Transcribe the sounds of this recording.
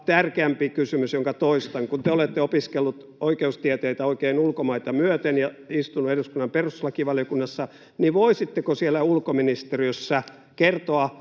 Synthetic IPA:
t̪ærkeæmpikysymysjoŋkɑt̪oist̪ɑŋkunt̪eolet̪ːeopiskelːut̪ | oikeust̪iɛt̪eit̪æoikeːnulkomɑit̪ɑmyøt̪enjɑist̪unueduskunːɑmperuslɑkiʋɑljokunːɑsːɑ | niʋʋoisit̪ːekosielːæulkominist̪eriøsːæ | kert̪oɑ

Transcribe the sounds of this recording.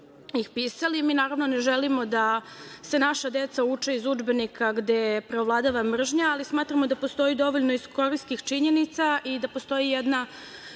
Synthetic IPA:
ixpiːsalimiːnaːɾaʋno̞ne̞ʒelimo̞d̪ase̞naʃad̪e̞t̪saut͡ʂeizud͡ʒbe̞nikʰaɡd̪e̞jepɾeovlˠad̪aʋamr̩ʒɲaːlismaːt̪ɾamo̞d̪apost̪o̞jid̪o̞ʋo̞ʎnoisko̞ɾiskixt͡ʃiɲenit̪saʔid̪apost̪o̞jijɛd̪na

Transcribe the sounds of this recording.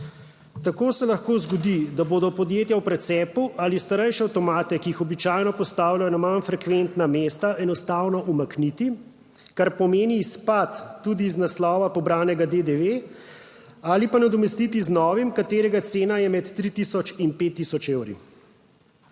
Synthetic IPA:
t̪akoːsɛlaxkoːzɡɔd̪id̪aboːd̪ɔpɔd̪jeːt̪jawpɾɛt̪sɛːpuʔalist̪aɾɛjʃɛawt̪ɔmaːt̪ɛkiixɔbit͡ʃaːjnɔpɔst̪aːwlajɔnamanfɾɛkʋent̪nameːst̪aɛnɔst̪awnɔʔumaknit̪i | kaɾpɔmeːniːspat̪ːuːd̪iːznaslɔːʋapɔbɾaːnɛɡad̪ed̪eʋe | alipanad̪ɔmɛst̪it̪iznɔːʋimkat̪eːɾɛɡat̪seːnajɛmɛt̪ːɾit̪isɔt͡ʃinpet̪ːisɔt͡ʃewɾḭ

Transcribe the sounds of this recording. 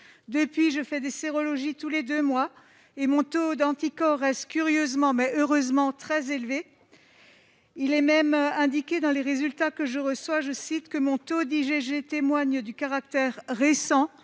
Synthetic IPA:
d̪əpɥiʒəfɛd̪eseʁɔlɔʒit̪uled̪ømwa | emɔ̃t̪od̪ɑ̃t̪ikɔʁːɛst̪kʲyʁjøzmɑ̃mɛʔøʁøzmɑ̃t̪χɛzelve | ilɛmɛmɛ̃d̪ikʲed̪ɑ̃leʁezylt̪akəʒəʁəswaʒəsit̪kəmɔ̃t̪od̪iʒeʒet̪emwaɲd̪ykaʁak̚t̪ɛʁːesɑ̃

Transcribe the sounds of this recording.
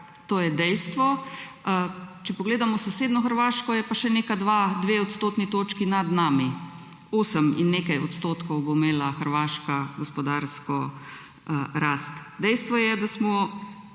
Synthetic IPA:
t̪oːjɛd̪ɛjst̪ʋɔ | t͡ʃɛpɔɡleːd̪amɔsɔseːd̪nɔxəɾʋaːʃkɔjɛpaʃɛnekad̪ʋad̪ʋeɔt̪st̪oːt̪nit̪oːt͡ʃkinad̪naːmi | oːsəmḭnːeːkajɔt̪st̪oːt̪kɔwbomeːlaxəɾʋaːʃkaɡɔspɔd̪aɾskɔ | ɾast̪d̪ɛjst̪ʋɔjɛd̪asmɔ

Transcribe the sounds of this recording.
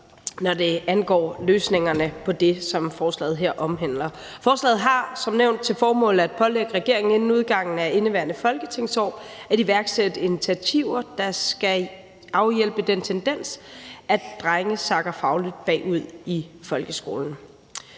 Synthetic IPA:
nɒd̥e̝ænɡ̥ɒ̰ːløːsne̝ŋɐnəpʰɒ̽d̥e̝sɒ̽mfɒːslɛ̰ːð̞̩ˠɦeɐ̰ʔɒ̽mɦen̰lɐ | fɒːslɛ̰ːð̞̩ˠɦɑ̈sɒ̽mneʊnd̥̚t͡sʰe̝lfɒːmɔ̰̽ːl̩æd̥̚pʰɒ̽leɡ̥əʁɛɡ̥e̝ɐe̝ŋn̩e̝nn̩uð̞ˠɡ̥ɑ̈ŋ̰n̩æe̝nəʋæɐnəfɒ̽lɡ̥ət͡sʰe̝ŋ̰sɒ̰ːæɾiʋæɐɡ̥sed̥əinit͡sʰiæt͡sʰiʊɐd̥ɑ̈sɡ̥æ | ɑ̈ʊjel̰b̥əd̥ent͡sʰend̥en̰sædd̥ʁaŋəsɑ̈ɡ̥ɐfɑ̈ʊliðˠb̥ɛ̰ːuð̞̰ˠifɒ̽lɡ̥əsɡ̥o̝̰ːln̩

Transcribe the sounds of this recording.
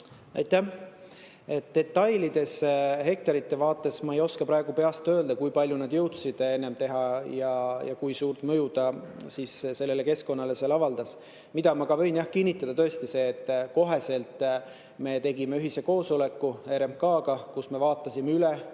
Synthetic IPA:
ɑ̰jt̪ːæ | e̞t̪d̪̥e̞t̪ːɑjlid̪̥e̞sɦe̞k̚t̪ɑɾit̪ːe̞vɑːt̪ːˑe̞smɑe̞jo̞skɑpɾɑeɡ̥upe̞ɑst̪ø̞ːld̪̥ɑkujpɑlʲjunɑd̪jɤwt̪sid̪̥e̞nːe̞mt̪e̞ɦɑjɑjɑ̰kujsuːrt̪ˑmɤjud̪̥ɑsisse̞lːe̞le̞ke̞sko̞nːɑle̞selːɑvɑld̪̥ɑs | mid̪ɑmɑɡ̥ɑvɤ̞jnjɑhkinʲːit̪ːˑɑd̪̥ɑt̪ø̞est̪ise̞ːt̪ˑːko̞ɦe̞se̞lt̪ːˑ | me̞t̪e̞ɡime̞yɦise̞ko̞ːso̞le̞kːue̞ɾemkɑːɡɑkusme̞vɑːt̪ˑːɑsimeylɛ

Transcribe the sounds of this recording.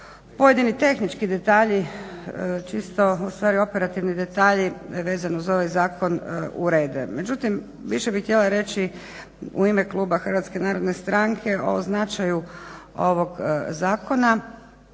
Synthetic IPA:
po̞je̞d̪init̪e̞xnit͡ʃkid̪e̞t̪aːʎi | t͡ʃist̪o̞ust̪ʋaːɾio̞peɾat̪iʋnid̪e̞t̪aːʎiʋe̞ːzanuzo̞ʋajzaːkʰo̞nṵɾe̞ːd̪ɛ̰me̞d͡ʒut̪im | ʋiʃebixt̪jelaɾe̞t͡ʃi | ṵimeklˠuːbaxr̩ʋat̪ske̞naːɾo̞d̪ne̞st̪ɾaŋkʰe̞o̰znat͡ʃajuo̞̰ʋo̞ɡzaːko̞na

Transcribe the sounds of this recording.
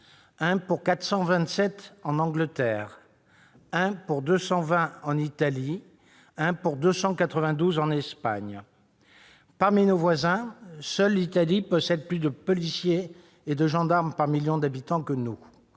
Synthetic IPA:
ɛ̃puʁkat̪χsɑ̃vɛ̃t̪sɛt̪ɑ̃nɑ̃ɡlət̪ɛːʁ | ɛ̃puʁd̪øsɑ̃vɛ̃ɑ̃nit̪ali | ɛ̃puʁd̪øsɑ̃kat̪χəvɛ̃d̪uzɑ̃nɛspaɲ | paʁminovwazɛ̃sœlːit̪alipəsɛt̪plyd̪əpɔlisje | ed̪əʒɑ̃d̪aʁmpaʁmiljɔ̃d̪abit̪ɑ̃kənu

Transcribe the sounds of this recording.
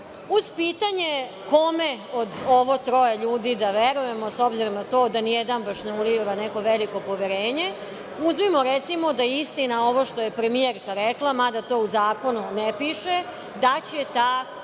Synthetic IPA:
uz̥piːt̪aɲe | ko̞meod̪oʋo̞t̪ɾo̞jeʎuːd̪id̪aʋeɾuje̞mo̞so̞bziɾomnat̪o̞ːd̪anijed̪ambaʃneuliʋaneko̞ʋeliko̞po̞ʋeɾeːɲe̞ | uzmimo̞ɾet̪simo̞d̪aist̪inao̞ʋo̞ʃt̪o̞jepɾemijeɾkaɾeklˠamad̪at̪o̞ːuzaːko̞nunepiʃe | d̪at͡ɕet̪aː

